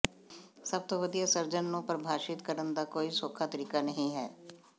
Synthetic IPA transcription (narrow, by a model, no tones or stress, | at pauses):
səb̚t̪oːʋəd̪ijaːsəɾd͡ʒənːõːpəɾbʱaːʃɪt̪kəɾənd̪aːkoːiːsoːkʰaːt̪əɾiːkaːnəɦĩːɦɛ̰ː